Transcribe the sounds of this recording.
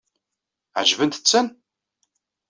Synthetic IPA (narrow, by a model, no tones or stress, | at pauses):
ʕʒvənt̪ə̥t͡sːən